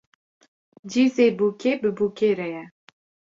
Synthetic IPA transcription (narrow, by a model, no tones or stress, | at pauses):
d͡ʒizebukʰebəbukeɾɛjɛ